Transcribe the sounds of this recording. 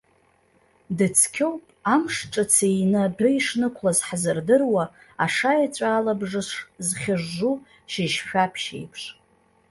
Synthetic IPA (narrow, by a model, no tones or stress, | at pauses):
dɨt͡sʰkʲʰowpʼamʂʈ͡ʂʼat͡sʰejnɨbɨiʂnɨkʷʰlazħzɨrdɨrwaː | ʂajat͡ɕʷʼaːlabʐɨʂzχʲaʐːu | ʃiʃʃʷᶣapʰʃḛjpʰʂ